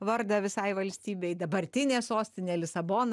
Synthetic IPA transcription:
ʋɐɾd̪ɐʋʲɪsɐɪʋɐlʲsʲt̪ʲiːbʲeɪd̪ɐbɐɾʲt̪ʲɪnʲeːsoːsʲt̪ʲɪnʲeːlʲɪsɐboːnɐ

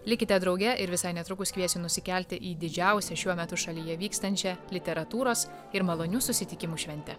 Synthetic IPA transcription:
lʲɪkʲɪt̪ʲɛd̪ɾɒʊɡʲɛʔɪɾʋʲɪsɐɪnʲɛt̪ɾʊkʊskʋʲiɛsʲɪnʊsʲɪkʲɛlʲt̪ʲɪʔiːd̪ʲɪd͡ʒʲɛˑʊsʲɛʃʲuɔmʲɛt̪ʊʃɐlʲiːjɛʋʲiːkst̪ɐnʲt͡ʃʲɛlʲɪt̪ʲɛɾɐt̪uːɾoːs | ɪɾmɐlˠoːnʲuːsʊsʲɪt̪ʲɪkʲɪmuːʃʲʋʲɛnʲt̪ʲɛ

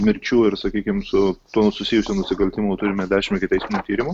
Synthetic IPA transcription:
mʲɪɾʲt͡ʃʲuːɪɾsɐkʲiːkʲɪmsʊt̪uɔsʊsʲiːjʊsʲuːnʊsʲɪkɐlʲt̪ʲɪmut̪ʊɾʲɪmʲɛd̪ʲæːʃʲɪmʲɛkʲɪt̪ʲɛɪsmʲɪnʲut̪ʲiːɾʲɪmʊ

